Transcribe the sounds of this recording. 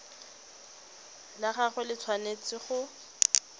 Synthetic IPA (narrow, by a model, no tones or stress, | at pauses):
laχaχʊlɪt͡sʰwanet͡sɪχʊ